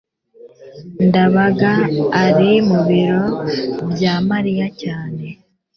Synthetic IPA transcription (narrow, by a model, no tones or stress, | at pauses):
ndaβaɡaːɾimuβiɾo̞bjamaɾijacaːne̞